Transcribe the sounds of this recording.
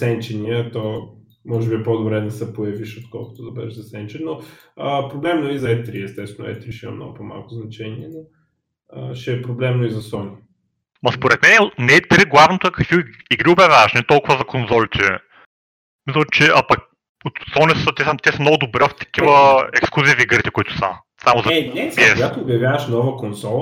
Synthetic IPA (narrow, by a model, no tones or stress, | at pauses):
sɛnt͡ʃɛniət̪ɔ | mɔʒɛbiɛpɔd̪obɾɛnɛsɛpojɐviʃot̪kɔlˠkʊ̥t̪od̪ɐbɛ̰ɛʃzɐsɛnt͡ʃɛnːoəpɾoblɛmnoizɐɛt̪ɾiɛst̪ɛst̪vɛnʊ̰ɛ̰t̪ɾiʃimɐ̰mnɔ̰ɡʊpɔma̰lˠkʊznɐt͡ʃɛniɛno | əʃɛːpɾoblɛmnoizɐsɔni | mɐspoɾɛt̪mɛnɛnɛt̪ɾiɡlˠavnot̪oɛkɐkviiɡɾiʊbɐvʲavɐʃnɛt̪ɔlˠkʊvəzɐkonzɔlʲit͡ʃ̪ɛ | mislˠət͡ʃɛʔɐpɐk̚ | ot̪sɔnisət̪ɛsət̪ɛsɐmnɔɡʊd̪ʊbɾɛft̪ɐ̥kʲivəɛksklˠuzifiɡɾit̪ɛkʊit̪ʊ̥sɐ̰ | samʊzɐɛpiɛɡat̪oːbjɐvjavɐʃnɔvəkonsɔlˠ